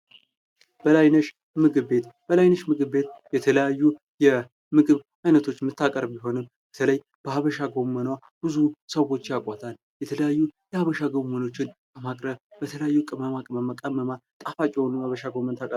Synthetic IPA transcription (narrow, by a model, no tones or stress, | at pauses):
b̥əlajnəʃ | mɨɡɨβbe̞t̪b̥əlajnəʃmɨɡɨβːe̞t̪jɛt̪ʰələjajːu | jɛ | mɨɡɨβ | ajnət̪ʰo̞t͡ʃːmɨt̪ʰːakʼəɾbbiɦo̞nɨm | b̥ət̪ʰələj | b̥əhaβəʃaɡomənwa | b̥ɨzusəwo̞t͡ʃːjakʼʷat̪ʰal | jɛt̪ʰələjajːujɛhaβəʃaɡo̞məno̞t͡ʃːɪnkʰəmakʼɾəβbət̪ʰələjajːukʼɨməmakʼɨməmakʼəmːəmat̪ʼafat͡ʃʼɛwnmaβəʃaɡomːənt̪ʰakʼəɾ